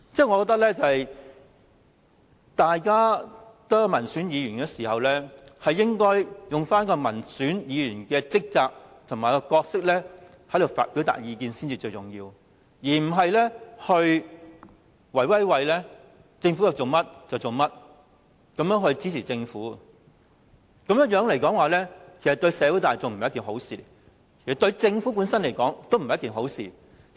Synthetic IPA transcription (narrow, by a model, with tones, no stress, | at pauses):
t͡sɛː˥˩ŋɔ˨˧kɔ˧t̪ɐ˥k̚lɛː˥t͡sɐ˨hɐ˨j | t̪aː˨jkaː˥t̪o˥jɐ˨˧mɐ˨˩nsyː˨˥njiː˨˧jy˨˩nkɛː˧siː˨˩hɐ˨wlɛː˥hɐ˨jːɪ˥ŋkɔː˥jjʊ˨ŋfaː˥nkɔː˧mɐ˨˩nsyː˨˥njiː˨˧jyː˨˩nkɛː˧t͡sɪ˥k̚t͡saː˨˧k̚t̪ʰʊ˨˩maː˨jkɔ˧kɔː˧k̚sɪ˥k̚lɛː˥ | hɐ˨˥jd̪o˨wfa̰ː˨t̚piː˨˥wt̪a̰ː˨k̚jiː˧kiː˧nsi˥nt͡siː˨t͡ʃɵ˧ɥt͡sʊ˨ŋjiː˧w | jiː˨˩m̩˨˩ɦɐ˨jlɛː˥hɵ˧ɥ | wɐ˨˩jwɐ˥jwɐ˨jlɛː˥ | t͡sɪ˧ŋfu˨˥t͡sɐ˨˩wt͡so˨˩wmɐ˥t̚t͡sɐ˨wt͡so˨˩wmɐ˥t̚ | kɐ˨˧mjœː˨˥ŋɦɵ˧ɥt͡siː˨˥t͡sʰiː˨˩t͡sɪ˧ŋfuː˨˥ | kɐ˨˧˥mjjœː˨˥ŋle˨˩jkɔː˨˥ŋwaː˨˧lɛː˥kʰe˨˩sɐ˨t̪ɵ˧ɥsɛː˨˥wu˨˥t̪aː˨jt͡so˨ŋm̩˨hjkiː˨˩ɦo˨˥wsḭː˨ | kʰe˨˩sɐ˨t̪ɵ˧ɥt͡sɪ˧ŋfuː˨˥p̬u˨˥nsɐ˥nle˨˩jkɔː˨˥ŋt̪o˥wm̩˨jɐ˥kiː˨˩nɦo˨˥wsiː˨